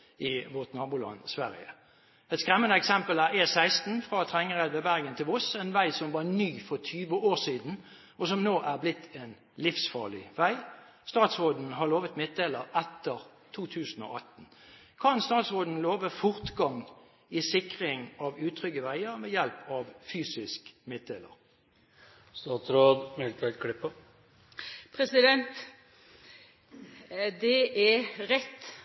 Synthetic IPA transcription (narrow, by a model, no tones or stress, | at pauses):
ɪʋɔʁt̪nɑʁbʊːlɑ̰nsʋæʁɪ̰ə̰ | ɛt̪skʁɛmːənəɛksɛmpəlæʁesæɪst̪n̩fʁɑt̪ʰʁɛŋːəʁɛd̪ʋəbæʁɡənt̪ʰɪlʊsɛnʋæɪsɔmʋɑʁnyːfɔʁt̪ʰyːʋəoːʁsiːd̪n̩ | ɔsɔmnoːʔæʁblɪt̪ʰːeːn | lɪfsfɑ̰ːlɪʋæɪ | st̪ɑːt̪sʁoːd̪n̩ɦɑʁloːʋət̪mɪt̪̚d̪eːləʁɛt̪ːəʁ | t̪ʰuːt̪ʰʉːsən̩ɔ̰ːʔɑt̪ːn̩ | kʰɑnst̪ɑːt̪sʁoːd̪n̩loːʋəfʊʁt̪ɡɑŋ | ɪsɪkʁɪŋɑʋʉːt̪ʰʁʏɡəʋæɪəʁmɛːjɛlpɑʋfyːsɪskmɪt̪̚d̪eːlə̰ʁ | st̪ɑːt̪sɾoːd̪mɛlt̪ʰɛlkʰɽɪpːə | pʰɾɛsɪd̪ɛnt̪ | d̪ɛʔɛɾɛt̪ː